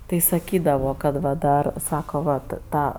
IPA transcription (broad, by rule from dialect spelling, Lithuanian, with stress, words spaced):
tɐɪ sɐˈkʲiːdɐʋoː kɐt ˈʋɐ ˈdɐr ˈsɑːkoː ʋɐt ˈtɑː